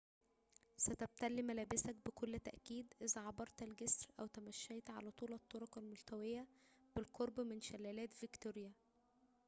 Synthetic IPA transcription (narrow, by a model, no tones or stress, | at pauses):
sæt̪æb̚t̪ælːimælæːbɪsæk̚bekolːt̪æʔkiːd̪ʔezæʕɑbɑɾˤt̪ælɡesɾʔæwt̪æmæʃːæjt̪ʕa̰læt̪ˤuːlɑt̪ˤːoɾokɑlmolt̪æwejːæb̥ɪlqoɾˤbmenʃælːæːlæːt̪vekt̪oɾjæ